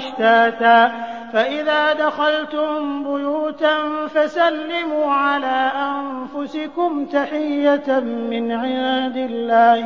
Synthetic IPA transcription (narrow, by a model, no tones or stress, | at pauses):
ħt̪aːt̪aː | faʔɪðaːd̪axalt̪ʊmbʊjuːt̪anfasalːɪmuːʕalaːʔanfʊsɪkʊmt̪aħɪjːamɪnʕɪjaːd̪ɪlːaːh